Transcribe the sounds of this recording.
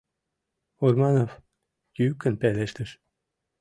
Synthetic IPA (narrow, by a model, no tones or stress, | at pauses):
urmɑnof | jykːə̆npæleʃt̪əʃ